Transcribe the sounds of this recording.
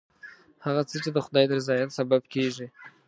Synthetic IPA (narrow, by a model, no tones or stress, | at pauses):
haɣat͡sət͡ʃed̪əxʊd̪ɑjd̪əɾzɑjat̪sababkeʒi